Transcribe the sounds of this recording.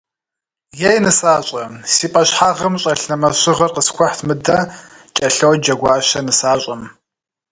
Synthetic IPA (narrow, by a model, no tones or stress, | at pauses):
jejnɨsaːɕʼɐsiːpʼɐɕħaːʁɐmɕʼɐɬnɐmɐɕɪʁɐrqəskʷʰɔħtʰmɨdɐ | t͡ʃʼɐɬɐwd͡ʒɐɡʷaːɕɐnɨsaːɕʼɐm